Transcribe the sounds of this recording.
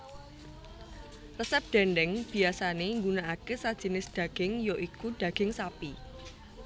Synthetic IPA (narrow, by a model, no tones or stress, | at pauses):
rəsɛp̚d̥ɛ̤ndɛŋb̥i̤asaneŋɡunaakesad̥ʒ̥i̤nɪsd̥ä̤ɡ̥ɪŋjoʔikuɖ̥ä̤ɡ̥ɪŋsapi